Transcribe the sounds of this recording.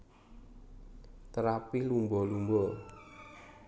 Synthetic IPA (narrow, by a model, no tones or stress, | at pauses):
t̪əɾapilumbɔlumbɔ